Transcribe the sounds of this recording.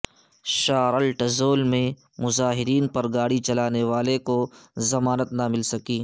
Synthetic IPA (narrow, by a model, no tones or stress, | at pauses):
ʃaːɾəlʈɐzoːlmẽ | mʊzaːɦɪɾiːnpɐɾɡaːɽit͡ʃɐlaːneʋaːlekozɐmaːnət̪nɐmɪlsɐkiː